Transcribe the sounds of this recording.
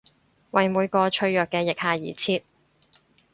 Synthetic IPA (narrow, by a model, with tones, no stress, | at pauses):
wɐ˨jmuː˨˧jkɔː˧t͡ʃʰɵ˧ɥjœː˨˩kːɛː˧jɪ˨k̚haː˨jḭː˨˩t͡sʰiː˧t̚